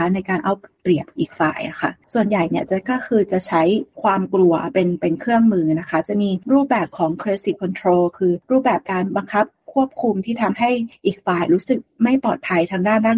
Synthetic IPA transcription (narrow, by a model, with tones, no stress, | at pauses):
a˦˥na˧jkaː˧nʔa˧wpɾi˨˩əp̚ʔiː˨˩k̚fa̰ː˨˩jʔa̰˨˩kʰa̰˥˩su˨˩ənja˨˩jni˥˩ɐt͡ɕa˨˩kɔː˥˩kʰɯː˧t͡ɕa˨˩t͡ɕʰa˦˥jkʰwaː˧mklu˧ɐpe˧npe˧nkʰɾɯ˥˩əŋmɯː˧na˦˥kʰa˦˥t͡ɕa˨˩miː˧ɾuː˥˩p̚bɛː˨˩p̚kʰɔː˩˦ŋkʰɾeː˧si˨˩kʰːɔ˧nt̪ʰɾoː˧kʰɯː˧ɾuː˥˩p̚bɛː˨˩p̚kaː˧nba˧ŋkʰa˦˥p̚kʰu˥˩əp̚kʰu˧mt̪ʰiː˥˩t̪ʰa˧mɦa˥˩jʔiː˨˩k̚faː˨˩jɾuː˦˥sɯ˨˩k̚ma˥˩jpɔː˨˩t̪̚pʰa˧jt̪ʰaː˧ŋdaː˥˩ndaː˥˩